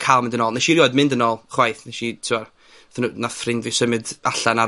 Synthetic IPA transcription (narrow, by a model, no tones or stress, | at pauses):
kʰalˠmɪ̃ndənɔːlˠnɛʃiɾjɔːɨdmɪndənɔlˠχwajθnɛʃitʰɪa | θnunafrɪndvɪsəmɨdaɬana